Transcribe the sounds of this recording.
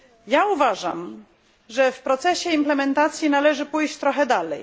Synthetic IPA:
jauvaʐa̰m | ʐɛfpɾɔt̪sɛɕɛimplɛmɛnt̪at̪sʲjinalɛʐɘpujɕt͡ɕt̪ɾɔxɛd̪alɛj

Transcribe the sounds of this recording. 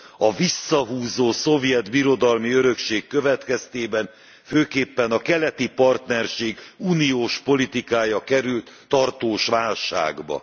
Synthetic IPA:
ɒvisːɒɦuːzoːso̞vjɛd̪biɾo̞d̪ɒlmiøɾø̞kʃeːkːøvɛt̪kɛst̪eːbɛn | føːkeːpːɛnɒkɛlɛt̪ipɒrt̪nɛrʃeːɡuːnijoːʃpo̞lit̪ikaːjɒkɛɾylt̪ːɒrt̪oːʃʋaːlʃa̰ːɡbɒ̰

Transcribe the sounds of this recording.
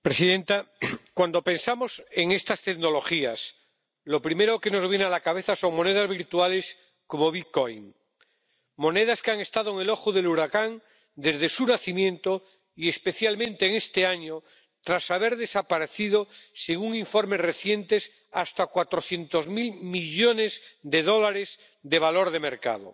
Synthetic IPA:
pɾesiðe̞nt̪akwand̪o̞pẽ̞nsamo̞se̞ŋe̞st̪ast̪eɣno̞lo̞xias | lo̞pɾime̞ɾoke̞no̞zβje̞nalakaβ̞e̞θaso̞ŋmõ̞ne̞ð̞azβiɾt̪uale̞s | ko̞mo̞βikojŋ | mo̞ne̞ðaskeaŋe̞st̪að̞oeŋe̞lo̞xuðe̞luɾakan | d̪e̞zðe̞sunaθimjẽ̞nt̪o | ie̞spe̞θjalmẽ̞nt̪eːŋe̞st̪e̞aɲo | t̪ɾasaβ̞e̞ɾðe̞sapaɾe̞θiðoseɣ̞uŋiɱfo̞ɾme̞zre̞θje̞nt̪e̞s | ast̪akwat̪ɾo̞θje̞nt̪ozmilmiʎone̞zd̪e̞ð̞o̞laɾe̞z | d̪e̞β̞alo̞ɾð̞e̞me̞ɾka̰ð̞o̰

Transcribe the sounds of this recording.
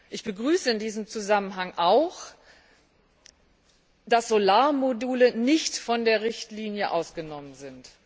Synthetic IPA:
ʔɪçb̥əɡʁyːsəɪndiːzəmt͡suzamənɦaŋʔaʊx | d̥asz̥olaːɐmoduːlənɪçtfɔndeːɐʁɪçtliːnjəʔa̰ʊsɡ̥ənɔmənzɪnt

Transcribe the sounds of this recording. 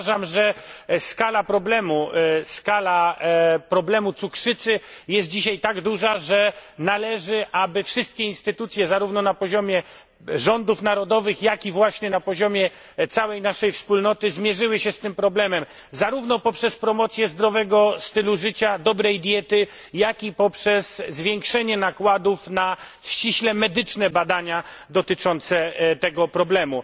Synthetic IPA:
ʐamʐɛskalapɾɔblɛmuskalapɾɔblɛmut̪sukʂɘt̪sɘjɛst̪̚d͡ʑiɕajt̪aɡd̪uʐaʐɛnalɛʐɘʔabɘfʂɘst̪̚kʲɛinst̪ɘt̪ut̪sʲjɛzaɾuvnɔnapɔʑɔmʲjɛ | ʐɔnd̪ufn̪aɾɔd̪ɔvɘxjakʲivwaɕɲɛnapɔʑɔmʲjɛ | t̪sawɛjnaʂɛjfspulnɔt̪ɘzmʲjɛʐɘwɘɕɛst̪ɘmpɾɔblɛmɛm | zaɾuvnɔpɔpʂɛspɾɔmɔt̪sʲjɛzd̪ɾɔvɛɡɔst̪ɘluʐɘt͡ɕad̪ɔbɾɛjd̪ʲjɛt̪ɘ | jakʲipɔpʂɛsːvʲjɛŋkʂɛɲɛnakwad̪ufna | ɕt͡ɕiɕlɛmɛd̪ɘt͡ʂnɛbad̪aɲad̪ɔt̪ɘt͡ʂɔnt̪sɛt̪ɛɡɔpɾɔblɛmu

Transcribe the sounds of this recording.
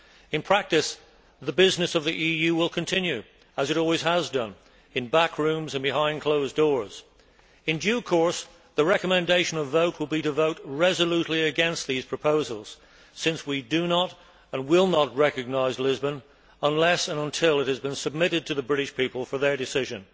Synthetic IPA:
ɨ̃npʰɹ̥æk̚tɨs | ðɨbɪznɨsʌvðiʔijʉwɪlˠkʰɨ̃ntʰɪ̃njʉ | əzɨɾɔlˠwiz̥əzdʌ̃n | ɨ̃nbækʰɹʉ̃mzɨ̃nbɨɦãɪ̃nkʰl̥oʊzdɔɹz̥ | ɨ̃ndjʉkʰɔɹs | ðɨɹɛkəmɨ̃ndeɪʃɨ̃nʌvoʊt̚wəlˠbiɾɨvoʊt̚ɹɛzəlʉtˡliɨɡɛ̃nst̪̚ðiz̥pʰɹ̥ɨpʰoʊzl̩ˠz̥ | sɪ̃nswidɨnəɾ | ə̃nwɪlˠnət̚ɹɛkɨɡ̚naɪzlɪzbə̃n | ə̃nlɛsə̃nə̃ntʰɪlˠɨt̚hɨzbɨ̃nsɨb̚mɪɾɨd̚tʰɨðɨbɹɪɾɨʃpʰipəl̩ˠfə˞ðə˞dɨsɪʒɨ̃n

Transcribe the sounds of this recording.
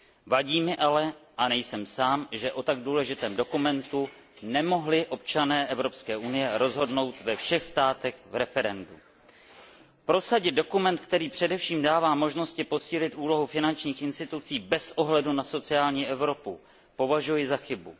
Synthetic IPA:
vaɟiːmɪʔalɛʔanɛjsɛmsaːmʒɛʔo̞t̪aɡ̚duːlɛʒɪt̪ɛːmdo̞kumɛnt̪u | nɛmo̞ɦlɪʔo̞p̚t͡ʃanɛːʔɛvɾo̞pskɛːʔunɪjɛɾo̞zɦo̞dno̞wt̪vɛfʃɛxst̪aːt̪ɛxvɾɛfɛɾɛndu | pɾo̞saɟɪd̪do̞kumɛnt̪̚kt̪ɛɾiːpr̝̥ɛdɛfʃiːmdaːvaːmo̞ʒno̞scɪpo̞siːlɪt̪ʔuːlo̞ɦufɪnant͡ʃɲiːxɪnst̪ɪt̪ut͡siːbɛsʔo̞ɦlɛdunaso̞t͡sɪaːlɲiːʔɛvɾo̞pu | po̞vaʒujɪzaxɪbu

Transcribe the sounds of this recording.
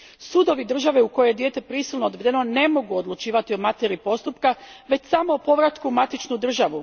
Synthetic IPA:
suːd̪o̞ʋid̪r̩ʒaʋe̞uko̞jejed̪je̞ːt̪e̞pɾisilnood̪ʋe̞d̪e̞no̞ne̞mo̞ɡuod̪lˠut͡ʃiːʋat̪io̞mat̪eɾipo̞st̪upkaʋe̞t͡ɕsamoːpo̞ʋɾat̪kumat̪it͡ʃnud̪r̩ʒaʋu

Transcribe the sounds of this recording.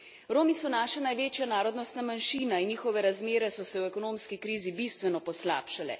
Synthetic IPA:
ɾoːmisɔnaːʃɛnajʋeːt͡ʃjanaːɾɔd̪nɔst̪namanʃiːnainːiːxɔʋɛɾazmeːɾɛsɔsɛwɛkɔnoːmskikɾiːzibist̪ʋɛnɔpɔsla̰ːpʃalɛ̰

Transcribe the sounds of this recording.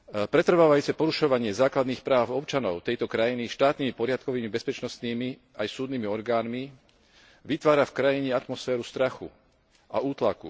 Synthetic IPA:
pɾɛt̪r̩ʋaːʋajut͡sɛpɔɾuʃɔʋaɲɪɛzaːklad̪niːxpɾaːʊɔpt͡ʃanɔʊt̪ɛjt̪ɔkɾajiniʃt̪aːt̪niːmipɔɾɪat̪kɔʋiːmibɛspɛt͡ʃnɔst̪niːmi | ajsuːd̪niːmiɔɾɡaːnmi | ʋit̪ʋaːɾafkɾajiɲɛat̪mɔsfɛːɾust̪ɾaxṵ | a̰uːt̪lakṵ

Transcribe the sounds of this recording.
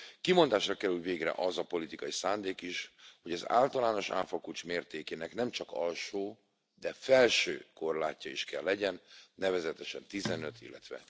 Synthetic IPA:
kimond̪aːʃrɒkɛɾylveːɡrɛ̰ʔɒzɒpo̞lit̪ikɒjisaːnd̪eːkiʃho̞ɟɒza̰ːlt̪ɒlaːno̞ʃa̰ːfɒkut͡ʃmeːrt̪eːkeːnɛknɛmt͡ʃɒkɒlʃoː | d̪ɛfɛlʃøːko̞rla̰ːcːɒiʃkɛlːɛɟɛnːɛvɛzɛt̪ɛʃɛnt̪izɛnø̞t̪ʰḭlːɛt̪ʋɛ̰

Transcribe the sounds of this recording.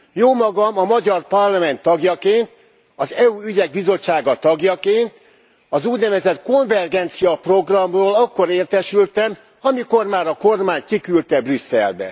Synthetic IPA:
joːmɒɡɒmɒmɒɟɒrpɒrlɒmɛnt̪ːɒɡjɒkeːnt̪ | ɒzɛuːyɟɛɡ̚bizot͡ʃːaːɡɒt̪ɒɡjɒkeːnt̪ | ɒzuːɟnɛvɛzɛt̪ko̞nvɛrɡɛnt̪sijɒpro̞ɡrɒmroːlɒkːo̞ɾeːrt̪ɛʃylt̪ɛm | ɒmiko̞rmaːɾɒko̞rmaːɲkikylt̪ɛbrysːɛ̰lbɛ̰

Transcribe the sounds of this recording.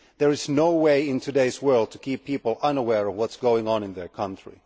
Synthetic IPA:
ðə˞ɨznoʊweɪɪ̃ntʰɨdeɪzwɜ˞lˠd̚tʰɨkʰipʰːipl̩ˠʌ̃nəwɛɹʌvwʌtsɡ̥oʊɪ̃ŋə̃nɨ̃nðə˞kʰʌ̃ntɹ̥ḭ

